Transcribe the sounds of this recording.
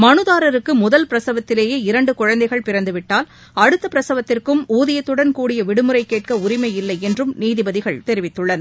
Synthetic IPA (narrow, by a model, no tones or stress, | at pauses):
mɐnɯðaːɾɐɾɯkːɯmʊðɐlpɪɾɐsɐʋɐt̪ːɪleːjeːɪɾɐɳɖɯkʊɻɐnd̪ɐɪɣɐɭpɪɾɐnd̪ɯʋɪʈːaːl | ɐɽɯt̪ːɐpɪɾɐsɐʋɐt̪ːɪrkɯmuːðɪjɐt̪ːɯɽɐnkuːɽɪjɐʋɪɽɯmɯɾɐɪkeːʈ̚kɐʊɾɪmɐjɪlːɐɪɛndrɯmniːðɪbɐðɪɣɐɭt̪ɛɾɪʋɪt̪ːɯɭːɐn